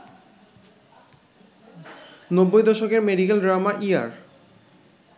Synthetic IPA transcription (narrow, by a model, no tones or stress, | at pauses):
nobːojd̪ɔʃokeɾmeɖikelɖɾamaʔia̰ɾ